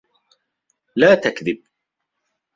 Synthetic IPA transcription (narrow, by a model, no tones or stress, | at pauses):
laːt̪akðɪb̚